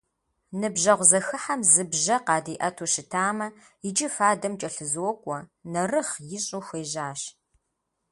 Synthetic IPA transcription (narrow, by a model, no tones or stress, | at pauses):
nɨbʒɐʁʷzɐxɨħamzɨbʒɐqɑːdiːʔɐtʰuʃɪtʰaːmɐ | jɪd͡ʒɪfaːdɐmt͡ʃʼɐɬɨzwɔkʷʼɔnɐrɨχjɪɕʼʊxʷeːʒaːɕ